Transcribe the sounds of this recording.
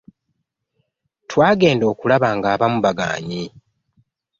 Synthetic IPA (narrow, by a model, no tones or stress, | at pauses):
twaːɡe̞ːndo̞ːkulaβaŋɡaːβamuβaɡa̰ːɲi